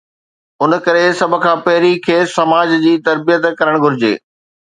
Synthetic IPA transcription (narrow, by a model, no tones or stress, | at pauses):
ʊnə̆kɐɾesɐbʱkʰãːpɐɦɪɾikʰeːsːɐmaːd͡ʑd͡ʑiːt̪ɐɾbijət̪kɐɾəɽ̃ɡʱʊɾɪd͡ʑḛː